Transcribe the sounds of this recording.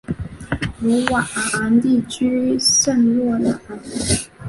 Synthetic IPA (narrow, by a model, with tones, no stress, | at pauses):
lu˧˥wa˨˩ʔa˨˩a˧˥nt̪i˥˩t͡ɕy˥ʂə˥˧nlwɔ˥˩na˨˩˨